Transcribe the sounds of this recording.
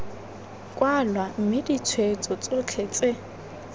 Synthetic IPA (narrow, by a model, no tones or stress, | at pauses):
kʼwalwam̩mɪdit͡sʰwet͡sʼɔt͡sʼot͡ɬʰet͡sʼe